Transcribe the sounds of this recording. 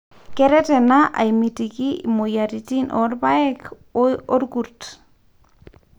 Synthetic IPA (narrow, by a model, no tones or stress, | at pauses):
kɛɾɛtɛnaʔa̰jmitikimojaɾitinʔɔɾbaɛk | ɔɾɡuɾt